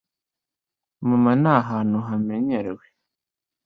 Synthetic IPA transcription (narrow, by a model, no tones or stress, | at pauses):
mumanaɦanuɦameɲeɾewe